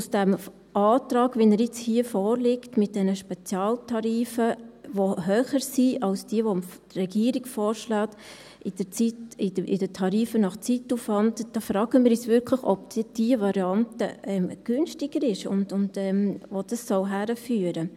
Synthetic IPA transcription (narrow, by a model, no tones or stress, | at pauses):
usd̥ɛm | ʔɑːtɾɑːɡʋinəɾjɪt͡shiəfɔːɾlɪktmɪt̚d̥ɛnəʃpɛt͡sjɑːltʰɑɾiːfəʋoɦœːχəɾsiɑlsd̥iəʋomfd̥rɛɡ̥iːəɾɪɡ̥fɔːɾʃlɑːt | ɪd̥ət͡sitɪdɪ̰dətʰɑɾiːfənɑχt͡sitːufʋɑntd̥ɑːfɾɑːɡ̥əmɪːɾjɛt͡sʋʏɾkʰlɪχɔ̰b̥̚d̥d̥iəvɑɾiɑntə̰ʔɛmɡ̥ʏnʃtɪɡəɾɪʃʊ̰ndʊndɛmʋod̥ɑsːɔwɦæɾəfyːəɾə